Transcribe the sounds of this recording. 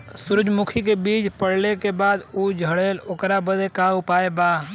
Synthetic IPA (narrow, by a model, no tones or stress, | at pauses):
sʊɾʊd͡ʒmʊkʰik̬ebiːt͡ʃpəɽ̤lekebaːd̪uːd͡ʒʱəɽeːlʊkɾabəd̪ekaːʊpaːebaː